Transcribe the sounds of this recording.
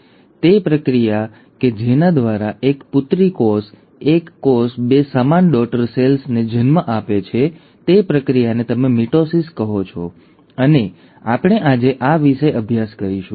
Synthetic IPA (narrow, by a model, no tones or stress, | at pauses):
t̪epɾəkɾija | ked͡ʒenad̪ʋaɾaʔekpʊt̪ɾikos | ekːosbesamanɖɔk̚ʈəɾselsned͡ʒənməʔapet͡ʃʰe | t̪epɾəkɾijanet̪əmemiʈosiskəɦot͡ʃʰɔ̰ | əne | a̰pɽ̃eʔad͡ʒeʔaʋiʃəeʔəbʱjaskəɾiʃṵ̃